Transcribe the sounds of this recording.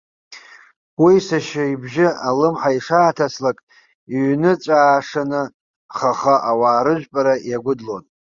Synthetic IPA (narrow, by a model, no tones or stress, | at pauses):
wisaʃaibʒɪalɨmħaiʂaːtʰaslakʼ | iɥnɨt͡sʷʼaːʂanɨ | χaχaʔawaːɾɨʒᶣʷpʼaɾajaɡʷʊdlo̰n